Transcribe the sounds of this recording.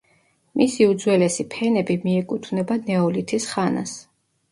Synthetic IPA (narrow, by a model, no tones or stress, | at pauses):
misiud̪zwɛlɛsipʰɛnɛbimiɛkʼut̪ʰvnɛbanɛɔlit̪ʰisχana̰s